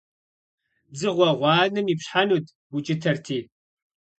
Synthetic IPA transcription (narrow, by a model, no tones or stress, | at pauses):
zɨʁʷɔʁʷɑːnɨmiːpɕħanuːt | but͡ʃʼɪtʰɐrtʰiː